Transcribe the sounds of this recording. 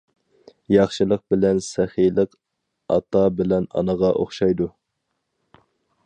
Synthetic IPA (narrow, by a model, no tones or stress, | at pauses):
jɑχʃɨlˠəq̚bɪlɛnsɛχilˠəq | ɑ̰t̪ʰɑbɪlɛnɑ̰nəʁɑʔoχʃɑjd̪u